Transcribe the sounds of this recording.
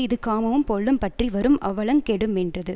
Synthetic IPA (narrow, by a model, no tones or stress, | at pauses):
ɪðɯkːaːmɐʋɯmpɔɭːɯmpɐʈriʋɐɾɯmʔɐ̰ʋɐɭɐŋkɛɽɯmɛndrɐðɯ